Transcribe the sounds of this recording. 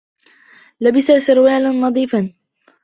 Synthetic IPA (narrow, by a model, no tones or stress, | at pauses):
labɪsasʊɾwaːlanːɑðˤiːfan